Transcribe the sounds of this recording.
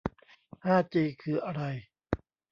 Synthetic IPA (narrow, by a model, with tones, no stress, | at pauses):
haː˥˩t͡ɕiː˧kʰɯː˧˩ʔa˧ɾa˧j